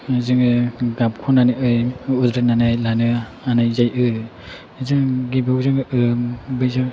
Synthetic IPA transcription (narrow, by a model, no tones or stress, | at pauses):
zɯŋɡap̚kʰɔnaniɯjudɾananajlanɯ | anajzajʔɯ | zɯŋɡibɯwzɯŋɯbɯjzɯ